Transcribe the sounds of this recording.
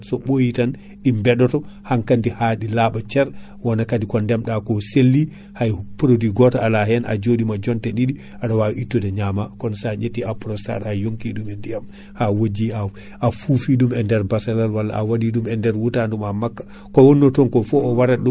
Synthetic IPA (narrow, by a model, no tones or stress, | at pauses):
sɔɓojitan | ɗimbɛɗɔtɔhaŋkandihaɗilaɓat͡ʃɛɾ | wanakadikɔndɛmɗakɔselːi | hajpɾodiɡɔtɔalaɦɛnʔa̰d͡ʒoɗimad͡ʒɔntɛɗiɗi | ʔaɗawaʔitːɔdɛɲamakɔnsad͡ʒetːiapɾɔsta̰ɾajoŋkiɗumɛndijam | hawod͡ʒia | ʔafufiɗumɛndɛɾbasɛlalwalːa̰ʔːwadiɗumɛndɛɾwutandumamakːḁ | kɔwɔnːɔtɔnkɔfɔɔwaɾaɗu